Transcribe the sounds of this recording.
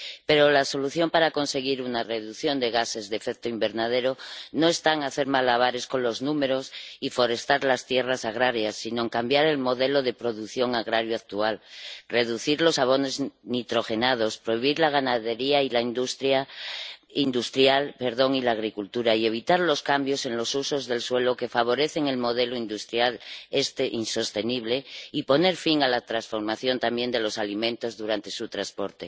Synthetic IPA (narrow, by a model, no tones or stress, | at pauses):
pe̞ɾo̞laso̞luθjo̞mpaɾako̞nse̞ɣ̞iɾunare̞ðuθjond̪e̞ɣ̞ase̞zðefekt̪oimbe̞ɾnað̞e̞ɾo̞no̞e̞st̪aŋaθe̞ɾmalaβ̞aɾe̞sko̞nlo̞znume̞ɾo̞sifo̞ɾe̞st̪aɾlast̪je̞rasaɣ̞ɾaɾjasːino̞eŋkambjaɾe̞lmo̞ðe̞lo̞ðe̞pɾo̞ðuθjo̞ŋaɣ̞ɾaɾjoak̚t̪ualre̞ðuθiɾlo̞saβ̞o̞ne̞znit̪ɾo̞xe̞nað̞o̞spɾo̞iβ̞iɾlaɣ̞anaðe̞ɾiailaind̪ust̪ɾja | ind̪ust̪ɾjalpe̞ɾðo̞ŋilaːɣ̞ɾikult̪uɾaie̞β̞it̪aɾlo̞skambjo̞se̞nlo̞suso̞zðe̞lswe̞loke̞faβ̞o̞ɾe̞θe̞ŋe̞lmo̞ðe̞loind̪ust̪ɾjalest̪eʔinso̞st̪e̞niβ̞le̞ipo̞ne̞ɾfiŋalat̪ɾasfo̞ɾmaθjo̞nt̪ambje̞nd̪e̞lo̞salimẽnt̪o̞zðuɾant̪e̞sut̪ɾaspo̞ɾt̪e̞